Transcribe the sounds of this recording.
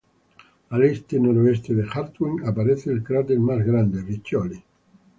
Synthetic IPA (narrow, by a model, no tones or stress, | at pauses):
alest̪enoɾoest̪ed̪exaɾt̪iŋapaɾet̪sːeilkɾat̪elmazɡɾand̪erit͡ʃːɔli